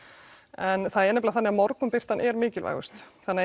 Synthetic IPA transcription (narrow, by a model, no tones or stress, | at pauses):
ɛnθaðɛɾnɛplaθanːɪɣamɔɾkʏmpɪr̥t̪anʔɛɾmɪːcɪlva̰jɣʏ̰st̪θanːɪ